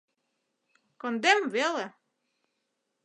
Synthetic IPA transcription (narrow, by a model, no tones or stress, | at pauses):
kɔnd̪ɛmʋɛlˠə